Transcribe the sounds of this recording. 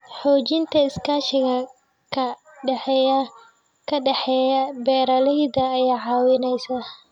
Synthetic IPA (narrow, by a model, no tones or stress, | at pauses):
ħɔːt͡ʃɪnt̪ʰɐɪskʰaːʃɪɣɐ | kʰɐ | ɖɛħɛjɐ | kʰɐɖɛħɛjɐbɛːɾɐlɛjd̪ɐːjaːʕɑːwɪnɛjsɐ